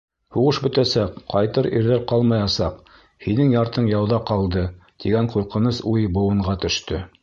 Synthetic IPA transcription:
huʁɤʃbɵ̆t̪æsæqqɑjt̪ɤɾḭɾðæɾqɑlˠmɑjɑsɑq | hinɘŋjɑɾt̪ɤɴjɑwðɑqɑlˠd̪ɤt̪iɡæɴquɾqɤ̆nɤsujbŭwɤ̆ɴʁɑt̪ɵ̆ʃt̪ɵ

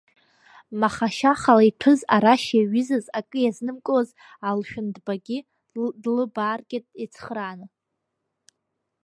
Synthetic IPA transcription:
maχaʃaχalaipʷʰɨzaɾaʃjaɥɪzazakʼɨjaznɨmkʷʼoz | alʃᶣʊndbaɡʲɪ | dlɨbaːrɡʲɪtʼet͡sʰχranɨ

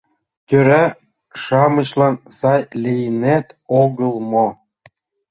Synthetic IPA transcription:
k̪ʲøɾæ | ʃɑmə̆ɕlɑnsɑjlʲejnæt̪oɣəlˠmo

